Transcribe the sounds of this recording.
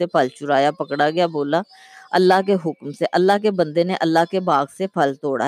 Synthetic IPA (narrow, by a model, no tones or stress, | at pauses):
epəlt͡ʃʊɾaːjaːpəkɽaɡɪjaːboːlaː | əlːaːɦkeɦʊkmseʔəlːaːɦkebə̃nd̪eneʔəlːaːkebaːɡsepʰəlt̪oːɽa̰